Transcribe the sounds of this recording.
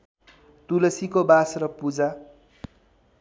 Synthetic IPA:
t̪ulʌsikobasrʌpud͡za

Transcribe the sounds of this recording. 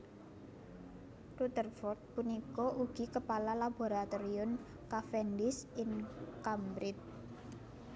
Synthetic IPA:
rut̪ərfɔrt̪̚punikɔʔuɡ̥i̤kəpalalab̥o̤ɾat̪ɔɾiʊn | kafɛndɪsɪnkambɾɪt̪̚

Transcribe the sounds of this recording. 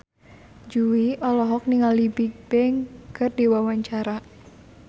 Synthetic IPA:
d͡ʒuwiʔɔlɔɦɔk̚niŋalibik̚b̥ɛŋkərdiwawaɲt͡ʃaɾa

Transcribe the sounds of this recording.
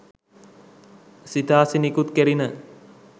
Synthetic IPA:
sit̪aːsinikut̪keɾinə

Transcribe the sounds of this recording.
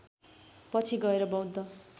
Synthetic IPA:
pʌt͡sʰiɡʌeɾʌbʌwd̪ːʌ

